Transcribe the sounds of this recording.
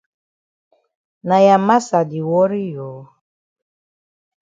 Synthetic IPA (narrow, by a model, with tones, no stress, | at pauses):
na˨ja˨ma˦sa˨di˨wɔ˦ɾi˦joː˨